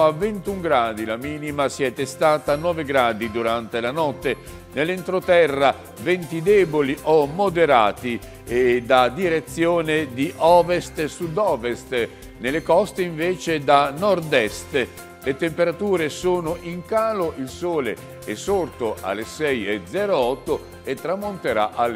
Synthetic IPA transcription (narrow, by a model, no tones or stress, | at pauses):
avːɛnt̪uŋɡɾaːd̪ilamiːnimasjɛt̪est̪aːt̪anɔːveɡɾaːd̪id̪uɾant̪elanɔt̪ːe | nelent̪ɾot̪ɛrːa | vɛnt̪id̪ɛːboliʔomːod̪eɾaːt̪i | ed̪ad̪iɾet̪sːjoːned̪iʔɔːvest̪sud̪ɔːvest̪ | nelekɔst̪eiɱveːt͡ʃed̪anɔrd̪ɛst̪ | let̪empeɾat̪uːɾesoːnʊʔiŋkaːloʔilsoːlḛ | ɛsːort̪oʔa̰lːesɛjed̪zɛɾoɔt̪ːo | et̪ːɾamːont̪eɾa̰ʔal